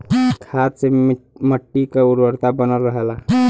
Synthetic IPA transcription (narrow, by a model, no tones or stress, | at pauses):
kʰaseməʈːikauɾwəɾt̪abənəlːəɦela